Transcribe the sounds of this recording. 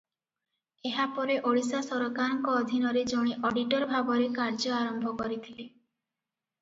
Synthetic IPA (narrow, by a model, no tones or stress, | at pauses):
eɦapɔɾeʔoɭisasɔɾɔkaɾɔŋkɔːd̪ʱinɔɾed͡ʒoɽ̃iʔɔɖiʈɔɾbʱabɔɾekaɾd͡ʒɔaɾɔmbʱɔkɔɾit̪ʰile